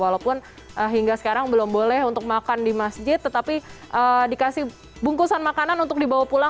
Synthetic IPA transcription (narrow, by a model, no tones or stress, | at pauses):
walapʊn | ʔəɦiŋɡasə̥kaɾaŋbəlʊmbolɛɦunt̪ʊk̚makandimasd͡ʒɪt̪ːət̪apiʔədikasɪh | buŋkusanmakananunt̪ʊk̚dibawahpula